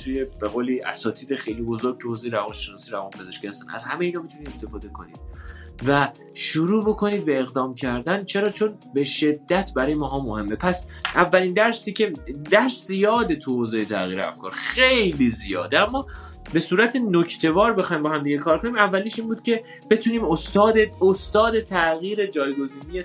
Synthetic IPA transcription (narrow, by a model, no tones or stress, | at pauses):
t̪ʰuje̞be̞ɣoːliʔæ̰sɒːt̪ʰiːd̪exejliːbo̞zoɾɡ̚t̪ʰuhoːzejeɾævɒːnʃenɒːsiːɾævɒːnpʰe̞zeʃkciːhæst̪æ̰næ̰zhæmejeiːnɒːmit̪unid̪est̪e̞fɒːd̪e̞kʰo̞̰nḭd̥̪væ | ʃuɾuːbo̞kʰo̞niːd̪̚be̞ːɣd̪ɒːmcʰæɾd̪ænt͡ʃʰe̞ɾɒːt͡ʃʰonbe̞ʃe̞d̪ːæt̪ʰbæɾɒːjemɒːɦɒːmohe̞mːe̞pʰæsævːælind̪æɾsiːcʰe̞d̪æɾszijɒːd̪et̪ʰuhozejet̪ʰæ̰ɣḭːɾeæ̰fkʰɒ̰ːɾxejlizijɒ̰ːd̪æmːɒː | be̞suːɾæt̪ʰenocʰt̪ʰe̞vɒːɾbe̞xɒːjmbɒːɦæmd̪iɟekʰɒːɾkʰo̞niːmævːæliʃiːnbuːd̪̥̚cʰe̞ | b̥e̞t̪ʰuniːmost̪ɒːd̪eost̪ɒːd̪et̪ʰæɣiːɾe̞d͡ʒɒːjɡo̞ziːnije